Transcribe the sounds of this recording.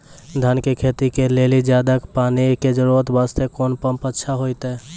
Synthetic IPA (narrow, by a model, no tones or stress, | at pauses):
d̪ʱənkekʰeːt̪ikeleːlid͡ʒjaːd̪akpaːniked͡ʒəɾuɾət̪baːst̪ekoːnpəmpətːʃʰaɦoit̪ɛː